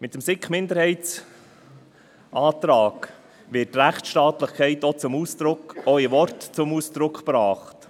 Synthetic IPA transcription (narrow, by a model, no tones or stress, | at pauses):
mɪt̪əmsɪkχmɪnd̪əɾhɛɪtt͡s | ʔɑːt̪ɾɑːk | ʋɪt̚tːɾæχtʃtɑːt̪ləχkʰɛɪtɔt͡sʊmuːsd̥ɾʊkɔivɔɾtt͡sʊmuːsd̪̥ɾʊkχpɾɑːχt